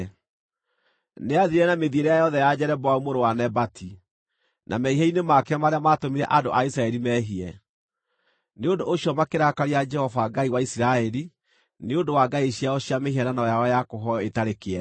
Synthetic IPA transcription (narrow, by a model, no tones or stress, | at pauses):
neaðiɾɛnameðieɾejajɔðɛjad͡ʑɛɾɛbɔaumoɾowanɛbatʰi | nʔa̰mɛiɦɛinemakɛamaɾeamatomiɾɛʔadoʔaisɾaɛɾimɛɦiɛ | neondoʔːɕiɔmakeɾakaɾiad͡ʒɛhɔvaɡaiwaisiɾaɛɾi | neondowaɡaiɕiaɔɕiamehiɛnanaɔjawɔjakoɦɔetaɾekeɛ